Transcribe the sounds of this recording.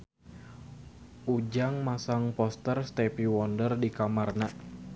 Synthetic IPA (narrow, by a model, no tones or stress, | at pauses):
ʔud͡ʒaŋmasaŋpɔst̪ərst̪ɛpiwɔndərdikamarna